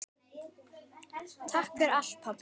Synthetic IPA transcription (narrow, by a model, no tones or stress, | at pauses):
t̪ʰahkɛɾal̥t̪̚pʰap